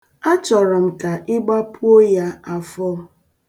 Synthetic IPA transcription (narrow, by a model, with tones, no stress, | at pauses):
a˦t͡ʃɔ˨ɾɔ˨m̩˨ka˨ʔɪ˦ɡ͡ba˦pu˦o˦ja˦a˨fɔ˦